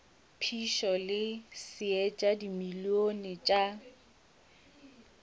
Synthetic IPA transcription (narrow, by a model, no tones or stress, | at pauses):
pʰiʃɔlɪsɪɛt͡ʃʼadimilionɪt͡ʃʼa